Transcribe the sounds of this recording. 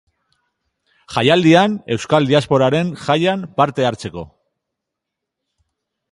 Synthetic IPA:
xajald̪iane̞wskald̪iaspo̞ɾaɾe̞nʝajanpaɾt̪e̞aɾt͡se̞ko̞̰

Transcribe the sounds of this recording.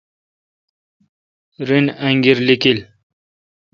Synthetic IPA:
ɾinaŋɡiɾlikil

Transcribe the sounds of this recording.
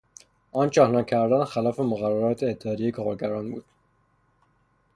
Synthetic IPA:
ʔɒːnt͡ʃʰɒhnɑcʰæɾd̪ænxælɒːfemoɣæræɾɒːt̪ʰeːt̪ʰːehɒːd̪ejekʰɒːɾɟæɾɒːnbuːd̪̥

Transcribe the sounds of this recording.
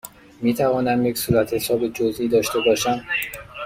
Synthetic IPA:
miːt̪ʰævɒːnæmje̞csuːɾæt̪ʰhesɒːbed͡ʒozʔiːd̪ɒːʃt̪e̞bɒːʃæm

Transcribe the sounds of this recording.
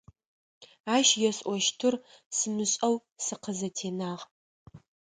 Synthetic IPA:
aːʃjɛɕʼʔʼʷɔʃtʰɨrsɨmɨɕʼɐwsɨqʰəzɐtʰeːnaːʁ

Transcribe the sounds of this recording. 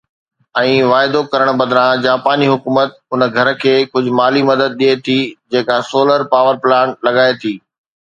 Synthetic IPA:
ɛ̃ːʋaːɪd̪okɐɾəɽ̃bɐd̪ʱɾãd͡ʑaːpaːniɦʊkuːmət̪ʊn̆ɡʱɐɾkʰeːkʊd͡ʑʱʊ̆maːlimɐd̪əd̪̚ɗiet̪ʰiːd͡ʑeːkasoːləɾpaːʋəɾplaːnlɐɠaːet̪ʰiː

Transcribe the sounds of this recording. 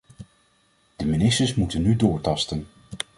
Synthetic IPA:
d̥əminɪstəɹsmutənːydʊːɹtɑstən

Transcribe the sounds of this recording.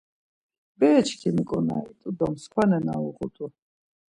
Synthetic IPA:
bɛːt͡ʃʰkʰimikʼɔna̰it̪ʼud̪ɔmskʷʰanɛna̰uʁut̪ʼu

